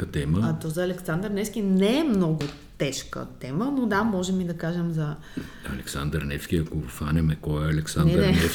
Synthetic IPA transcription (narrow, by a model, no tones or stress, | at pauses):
ət̪ɛməat̪ɔzɐːlɛksand̪əɾnɛfsk̟ʲinɛːmnɔɡʊ | t̪ɛʃkə̰t̪ɛmənod̪amɔʒɛmid̪ɐkaʒɛmzɐ | ɐlɛksand̪əɾnɛfskʲiɐkofanʲɛmɛkɔɛɐlɛksandɛəɾɛnɛ